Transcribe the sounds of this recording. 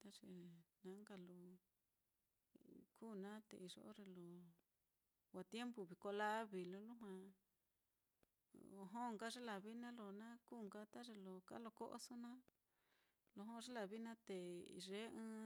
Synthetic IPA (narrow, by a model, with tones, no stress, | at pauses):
t̪a˦ʐe˧˨nã˨˦ŋɡa˧lo˨ | kʰuː˦˨nã˦t̪ḛ˧i˧ʐo̰˧o˦ʐe˧lo˨ | wa˨t̪je˦mbu˧βi˨ko˧la˦βi˨lo˧lu˦ɦwã˧ | o˧ɦo˦˧ŋɡa˦ʐe˦la˨βi˦nã˦lo˧nã˦ku˦˨ŋɡa˦t̪a˦ʐe˧lo˧˨ka̰˦lo˧˨ko̰˦ʔo̰˦so˦nã˦ | lo˧ɦõ˦ʐe˦la˧βi˦nã˦t̪e˨ḭ˨ʐe˦ɨ̃˦